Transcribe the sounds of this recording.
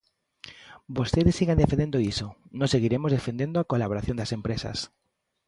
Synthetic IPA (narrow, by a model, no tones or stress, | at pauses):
bost̪eðesːiɣand̪efẽnd̪ẽnd̪oisonõŋseɣiɾemozðefend̪ẽnd̪oakolaβoɾaθjõnd̪asempɾesɐ̰s